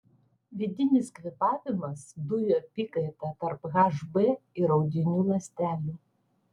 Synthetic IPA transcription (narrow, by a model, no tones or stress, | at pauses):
ʋʲɪd̪ʲɪnʲɪskʋʲɪpɑːʋʲɪmɐsd̪ʊjoːpʲiːkɐɪt̪ɐt̪ɐɾpɣɑʒbɛɪɾɒʊd̪ʲɪnʲuːlˠɐsʲt̪ʲæːlʲuː